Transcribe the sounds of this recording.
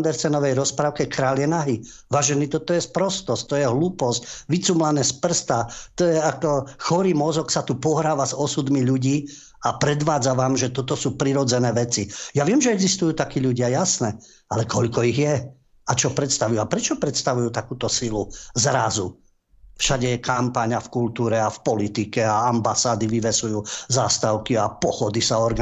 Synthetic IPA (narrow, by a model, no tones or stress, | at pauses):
and̪ɛɾsɛnɔʋɛjɾɔspɾaːʊkɛkɾaːljɛnaɦi | ʋaːʒɛniːt̪ɔt̪ɔjɛspɾɔst̪ɔst̪ɔjɛɦluːpɔscʋit͡sumlanɛspr̩st̪at̪ɔjɛakɔxɔɾiːmɔzɔksat̪upɔɦɾaːʋazɔsud̪miʎuɟiː | apɾɛd̪ʋaːd͡zaʋaːmʒɛt̪ɔt̪ɔsuːpɾiɾɔd͡zɛnɛːʋɛt͡sijaʋɪɛmʒɛɛɡzist̪ujuːt̪akiːʎuɟɪajasnɛ | alɛkɔʎkɔiɣjɛ | at͡ʃɔpɾɛt̪st̪aʋujuapɾɛt͡ʃɔpɾɛt̪st̪aʋujuːt̪akuːt̪ɔsiluzɾazu | fʃaɟɛɛkʰampaɲafkult̪uːɾɛafpɔlit̪ikɛaambasaːd̪iʋiʋɛsujuːzaːst̪aʊkiapɔxɔd̪isaɔɾɡ